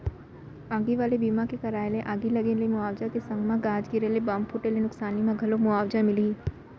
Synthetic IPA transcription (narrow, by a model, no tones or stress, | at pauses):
aːɡiʋaːlebiːmãkekɐɾaːelẽʔaːɡilɐɡelemʊaːwd͡ʒakesɐ̃ŋɡmãɡaːd͡ʒɡiɾelebaːmpʰʊʈelenʊksaːnimãɡʱɐlomʊaːwd͡ʒamɪli